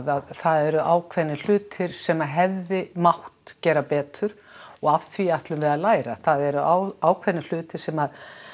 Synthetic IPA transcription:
ðaðθaðɛɾʏʔaːwkʰvɛɾnːɪl̥ʏːt̪ʰɪɾ̥sɛmaðɦɛvðɪmawht̪cɛːɾapɛːt̪ʏɾ̥ | ɔɣaft̪ʰviaht̪lʏmvɛðaðlaːjɾa̰θaðɛɾʏʔawaːwkʰvɛɾnɪl̥ʏːt̪ɪɾ̥sɛmað

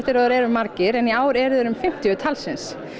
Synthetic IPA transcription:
ht̪ɪɾɔðʏɾɛɾʏmːaɾcɪɾɛniaːwɾɛɾðʏɾʏmfɪm̥t̪jʏt̪ʰalsɪns

